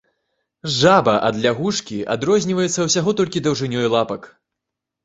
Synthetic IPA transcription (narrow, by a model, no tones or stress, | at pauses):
ʐabɐʔɐd̪lʲaɣuʂkʲia̰d̪ɾɔzʲnʲivɐjɛt̪sːɐwsʲaɣɔt̪ɔlʲkʲid̪ɐwʐɨnʲɔjlˠapɐk